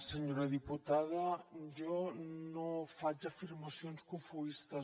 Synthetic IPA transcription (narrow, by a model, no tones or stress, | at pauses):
seɲoɾɐðiput̪aðɐʒɔnofad͡ʒɐfiɾmasjonskufuist̪ɐ